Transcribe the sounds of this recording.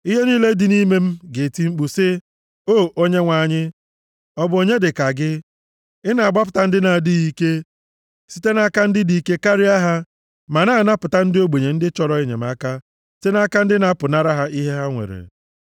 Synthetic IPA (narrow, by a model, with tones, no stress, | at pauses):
i˦ɦe˦niː˦le˦dɪ˨ni˦me˦m̩˦ɡe˨ti˨ŋ͡m̩˦k͡pu˨sɪ˦ | o˦˨o˦ɲe˦ŋʷa˨˦˨ɲɪ˦ | ɔ˦bʊ˨o˨ɲe˦dɪ˨ka˨ɡɪ˦ | ɪ˦na˨a˨ɡ͡ba˦p̬ʊ˨ta˨n̩˦dɪ˦na˨dɪ˦ɣi˦ke˦ | si˦te˦na˦ka˦n̩˦dɪ˦di˨ke˦ka˦ɾɪ˦a˦ɦa˦ | ma˨naː˦˨na˦pʊ˨ta˦n̩˦dɪ˦o˦ɡ͡be˨ɲe˨n̩˦dɪ˦t͡ʃɔ˦ɾɔ˦e˦ɲḛ˨m̩˦a˦ka˦ | ste˦na˦ka˦n̩˦dɪ˦na˦pʊ˨na˦ɾa˦ɦa˦ʔi˦ɦe˦ɦa˦ŋʷḛ˨ɾḛ˨